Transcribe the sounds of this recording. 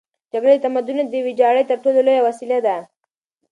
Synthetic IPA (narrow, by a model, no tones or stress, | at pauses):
d͡ʒaɡɽet̪ɐmɐd̪ʊned̪ewid͡ʒaɽəjt̪ɐɾʈololojawɐsilad̪a